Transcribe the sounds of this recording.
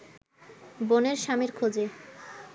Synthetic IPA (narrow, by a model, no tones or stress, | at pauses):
boneɾʃameɾkʰod͡ʑe